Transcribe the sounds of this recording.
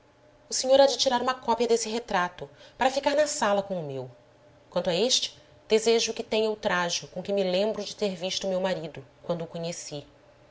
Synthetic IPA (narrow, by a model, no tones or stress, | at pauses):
ʊseɲoɾad͡ʒɪt͡ʃiɾaɾũmɐkɔpiɐd̪esɪɦet̪ɾat̪ʊpaɾɐfikaɾnɐsalɐkõʊmew | kwɐ̃nt̪ʊɐeʃt͡ʃɪ̥ | d̪̥ezeʒʊkɪt̪ẽɲɐwt̪ɾaʒʊkõkɪ̃mɪlẽmbɾʊd͡ʒɪt̪eɾviʃt̪ʊmewmaɾid̪ʊkwɐ̃nd̪ʊːkõɲesi